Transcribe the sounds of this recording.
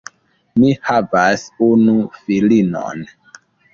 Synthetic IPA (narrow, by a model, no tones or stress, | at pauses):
mihavasunufilino̰n